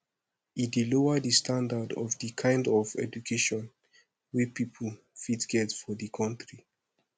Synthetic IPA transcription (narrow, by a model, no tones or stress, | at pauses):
idiloədistʰãndadɔ̰vdikʰãɪ̃ndɔvɛ̰d͡ʒukʰeʃɔ̃n | wipipʰl̩ | fitɡ̥ɛtfɔðikʰãntɹi